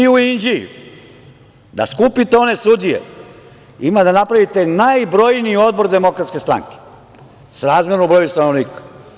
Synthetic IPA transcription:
iuind͡ʒijṵ | d̪a̰skupit̪eo̞ne̞sud̪ijḛ | imad̪anapɾaʋit̪e̞najbɾo̞jniio̞d̪̚bo̞ɾd̪e̞mo̞kɾat̪skest̪ɾa̰ŋke̥ | saɾaːzmjeɾnubɾo̞just̪ano̞ʋniːkḁ

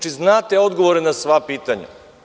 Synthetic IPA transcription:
t͡ʃiznat̪ɛɔd̪ɡovoɾɛnasvapit̪aɲʲɛ̰

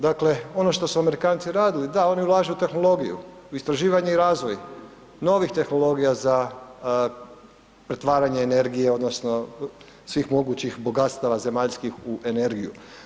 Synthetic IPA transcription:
d̪akle̞o̞no̞ʃt̪o̞suame̞ɾikaːnt̪siɾaːd̪ilid̪ao̞niulˠaːʒeut̪e̞xno̞lˠo̞ɡijṵ | uist̪ɾaʒiːʋaɲeiɾaːzʋoj | no̞ʋixt̪e̞xno̞lˠo̞ɡijaza | pɾe̞t̪ʋaːɾaɲeːne̞ɾɡijeo̞d̪no̞sno̞ | sʋiːxmo̞ɡut͡ɕixbo̞ɡat̪st̪aʋaze̞maʎskixuʔe̞ne̞ɾɡiju

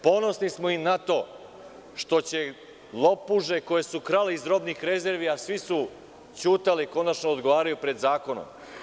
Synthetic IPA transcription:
po̞no̞snismo̞inat̪o̞ | ʃt̪o̞t͡ɕe̞ | lˠo̞puʒe̞ko̞je̞sukɾaleizɾo̞bnixɾe̞ze̞ɾʋijasʋisu | t͡ɕuːt̪aleko̞nat͡ʃnood̪ɡoʋaːɾajupɾe̞d̪zaːko̞no̰m

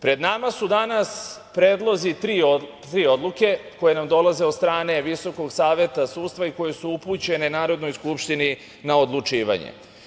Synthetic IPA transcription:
pɾe̞d̪namasud̪anas | pɾeːd̪lˠo̞zit̪ɾiːo | ɾiːo̞d̪lˠuke̞ko̞je̞namd̪o̞laze̞od̪st̪ɾaːne̞ʋiso̞ko̞ɡsaːʋje̞t̪asuːt̪st̪ʋaiko̞jesuuput͡ɕe̞ne̞naːɾo̞d̪no̞jskupʃt̪ini | nao̞d̪lut͡ʂiːʋa̰ɲḛ

